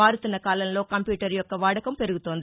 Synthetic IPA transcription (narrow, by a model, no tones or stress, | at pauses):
aːɾɯt̪ːɐnɐkaːlɐnloːkɐmpjuːʈɐɾjɔkːɐʋaːɽɐkːɐmpɛɾɯɣɯt̪ːoːnd̪